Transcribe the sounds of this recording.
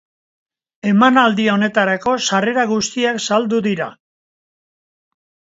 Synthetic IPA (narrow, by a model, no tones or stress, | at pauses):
e̞manald̪io̞ne̞t̪aɾako̞sare̞ɾaɣust̪iaksald̪uðiɾa̰